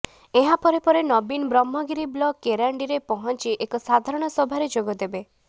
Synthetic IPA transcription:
eɦapɔɾepɔɾenɔbinbɾɔmːɔɡiɾiblɔkːeɾaɳɖiɾepɔɦɔnt͡ʃiʔekɔsad̪ʱaɾɔɽ̃ɔsɔbʱaɾed͡ʒoɡɔd̪ebe

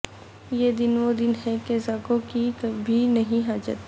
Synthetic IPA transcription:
jed̪ɪnʋod̪ɪnɦɛkezaːkõkikɐbʱinɐɦĩɦaːd͡ʒə̰t̪

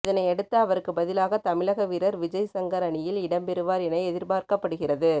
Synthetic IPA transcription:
ɪðɐnɐɪɛɽɯt̪ːɐɐʋɐɾɯkːɯbɐðɪlaːɣɐt̪ɐmɪlɐɣɐʋɪɾɐɾʋɪd͡ʒɐjsɐŋɡɐɾɐɳɪjɪlɪɽɐmpɛɾɯʋaːɾɛnɐɪɛðɪɾbaːɾkɐpːɐɽɯɣɪrɐðɯ

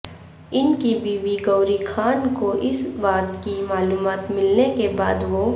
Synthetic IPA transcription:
ɪnkibibiɡɐʊɾikʰaːnkoʔɪsbaːt̪kimaːluːmaːt̪mɪlnekeba̰ːd̪ʋo

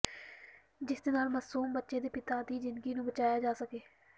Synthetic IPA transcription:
d͡ʒɪsd̪eːnaːlməsuːmbətːʃeːd̪eːpɪt̪aːt̪iːd͡ʒɪnd̪ɡiːnũːbət͡ʃaːjaːd͡ʒaːsəkeː

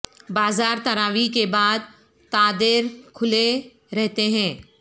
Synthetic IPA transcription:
baːzaːɾt̪ɐɾaːʋikebaːd̪ | t̪aːd̪ɪɾkʰʊle | ɾɛɦt̪eɦɛ̃ː

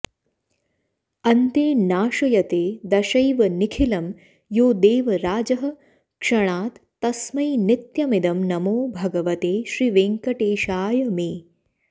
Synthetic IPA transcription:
ɐnt̪eːnaːʃɐjɐt̪eːd̪ɐʃɐjʋɐnikʰilɐm | joːd̪eːʋɐɾaːd͡ʒɐɦɐ̆ | kʂɐɽ̃aːt̪ːɐsmɐjnɪt̪jɐmid̪ɐmnɐmoːbʱɐɡɐʋɐt̪eːʃɾiːʋeːŋkɐʈeːʃaːjɐmeː

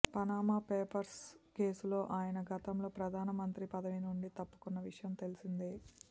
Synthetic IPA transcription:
pɐnaːmaːpeːpɐɾske̞ːsulo̞ːʔaːjɐnɐɡɐt̪ɐmlo̞ːpɾɐd̪ʱaːnɐmɐnt̪ɾipɐd̪ɐʋinuɳɖit̪ɐpːu̥kunːɐʋiʂɐjɐmt̪e̞lisind̪i

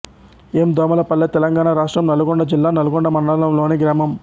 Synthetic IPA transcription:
eːmd̪ɔːmɐlɐpɐlːɐt̪ɛlɐŋɡaːnaɾaːʂʈɾɐmnɐluɡoɳɖɐd͡ʒilːaːnɐluɡɔɳɖɐmɐɳɖalɐmlo̞ːneːɡɾaːmɐm

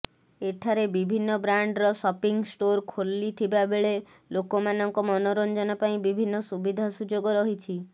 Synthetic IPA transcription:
eʈʰaɾebibʱinːɔbɾaɳɖɾɔsɔpiŋsʈoɾkʰolːit̪ʰibabeɭe | lokɔmanɔŋkɔmɔnɔɾɔnd͡ʒɔnɔpaĩbibʱinːɔsubid̪ʱasud͡ʒoɡɔɾɔɦit͡ʃʰi

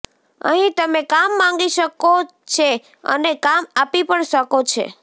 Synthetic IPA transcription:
ə̰ɦĩt̪əmekamːãŋɡiʃəko | t͡ʃʰe | ə̰nekamapipəɳʃəkot͡ʃʰḛ

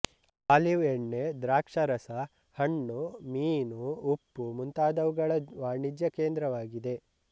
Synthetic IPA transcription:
aːliʋeɳːed̪ɾaːkʂɐɾɐsɐ | hɐɳːumiːnuupːumunt̪aːd̪ɐʋuɡɐɭɐʋaːɳid͡ʒjɐkeːnd̪ɾɐʋaːɡid̪e̞

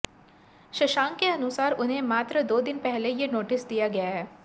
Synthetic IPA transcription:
ʃɐʃaːŋkeɐnʊsaːɾʊnɦẽmaːt̪ɾəd̪oːd̪ɪnpɛɦlejenoːʈɪsd̪ijaɡɐjaɦɛː

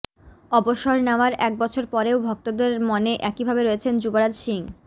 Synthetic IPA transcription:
ɔboʃoɾnaoaɾɛk̚bɔt͡ɕʰoɾpɔɾeobʱɔk̚t̪od̪eɾmoneʔɛkibʱabeɾoet͡ɕʰend͡ʑuboɾad͡ʑʃiŋ

